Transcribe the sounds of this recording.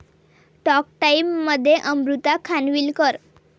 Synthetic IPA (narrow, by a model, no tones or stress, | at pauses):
ʈɔk̚ʈaimːəd̪ʱːjeʔəmɾut̪akʰanʋiːlkəɾ